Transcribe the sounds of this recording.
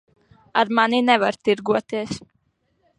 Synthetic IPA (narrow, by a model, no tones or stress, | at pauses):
aɾmaninɛvaɾt̪iɾɡuɔt̪iɛəs